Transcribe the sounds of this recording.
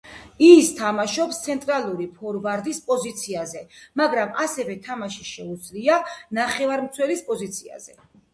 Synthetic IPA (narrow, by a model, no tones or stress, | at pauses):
ist̪ʰamaʃɔpst̪sʰɛnt̪ʼɾalˠuɾipʰɔɾvaɾd̪ispʼɔzit̪sʰiazɛmaɡɾamasɛvɛt̪ʰamaʃiʃɛud̪zlianaχɛvaɾmt̪sʰwɛlispʼɔzit̪sʰia̰zɛ